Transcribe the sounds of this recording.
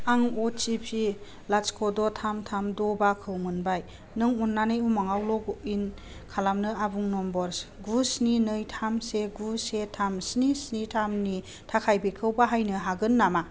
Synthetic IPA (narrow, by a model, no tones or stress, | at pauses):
aŋɔt͡ʃipʰi | lat͡ʃkʰɔdɔtʰamtʰamdɔbakʰɯwŋɯnbaj | nɯŋunːanɯjumaŋawlɔɡuin | kʰalamnɯabuŋnɔmbɔɾsɡusninɯjtʰamseɡusetʰamsnisnitʰamni | tʰakʰajbikʰɯwbaɦajnɯɦaɡɯnːama